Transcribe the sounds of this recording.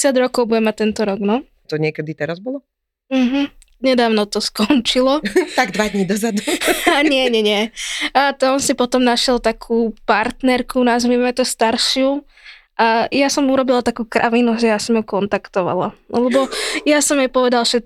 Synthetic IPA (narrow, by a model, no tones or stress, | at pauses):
ɛsjaɟɾɔkɔʊbuɟɛmac̚t̪ɛnt̪ɔɾɔɡnɔ | t̪ɔɲɪɛkɛd̪it̪ɛɾazbɔlɔ | m̩ɦm̩ | ɲɛd̪aːʋnɔt̪ɔskɔnt͡ʃilɔt̪aɡd̪ʋad̪ɲid̪ɔzad̪uaɲɪɛɲɛɲɪɛat̪ɔɔnsipɔt̪ɔmnaʃɪjɛlt̪akʰupaɾt̪nɛɾkunazʋimmɛt̪ɔst̪aɾʃɪu | ʔajasɔmuɾɔbilat̪akuːkɾʔa̰ʋinuʒɛjasɔmɔkɔnt̪akt̪ɔʋa̰la̰lɛbɔjasɔmjɛpɔʋɛd̪alfʃɛt̪̚